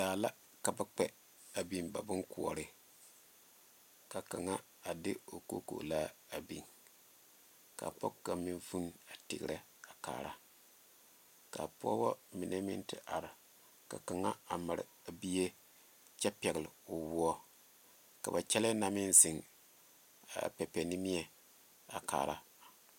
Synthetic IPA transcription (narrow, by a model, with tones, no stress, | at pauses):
daː˨la˦ | ka˨ba˦k͡pɛ˦ | a˨bi˦nba̰˨bɨ˦ŋku˨ɔ̰˨ɾɨ˦ | ka˨ka˨ŋa˦ | a˨dɪ˦o˨ko̰˦ko̰˨la˦a˨bḭ˨n | ka̰˨pɔ̰˦kka˨mɪ˦nvu˦na˨tɪ̰˨ɡɾɛ˦ | a˨ka̰ː˨ɾa˦ | ka̰˨pɔ̰˦bɔ˦mi˨nɛ˦mɪ̰˦ntɪ˨ʔa˨ɾɪ˨ | ka̰˨ka˨ŋa˦a˨ma˨ɾɨ̰˨a˨bi˦je˦ | t͡ʃɛ˦pɛ˨ɡɪ˨lo˨wu˦ɔ˦ | ka˨ba˨t͡ʃɛ˦lɛ˦na˦mɪ˦nzɪ˨ŋ | a̰˨pɛ˨pɛ˨nɪ˦mi˦ɛ˨ | a˨ka̰ː˨ɾʔa˦